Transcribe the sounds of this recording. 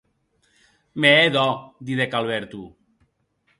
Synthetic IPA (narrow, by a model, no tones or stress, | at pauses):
meeðɔd̪iðekalβɛɾt̪u